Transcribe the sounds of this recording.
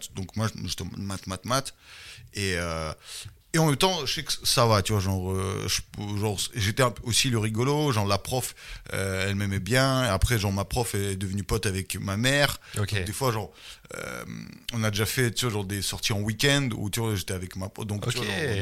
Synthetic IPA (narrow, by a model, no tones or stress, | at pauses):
t̪d̪ɔ̃kmwaʒet̪ɛmat̪mat̪mat̪eø | eɑ̃mɛmt̪ɑ̃ʒəsɛkə̥savat̪yvwaʒɑ̃ʁøʒpʒɑ̃ʁsʒet̪ɛɛ̃posiləʁiɡɔloʒɑ̃ʁlapχɔfø̰ɛlmɛmɛbjɛ̃eapχɛʒɑ̃ʁmapχɔfɛːd̪əvənypɔt̪avɛkmamɛʁokd̪efwaʒɑ̃ʁø̰mɔ̃nad̪eʒafɛt̪yvaʒɑ̃ʁd̪esɔʁt̪iɑ̃wikʲɛ̃nd̪ṵt̪yvaʒet̪ɛavɛkmapɔd̪ɔ̃kt̪yvã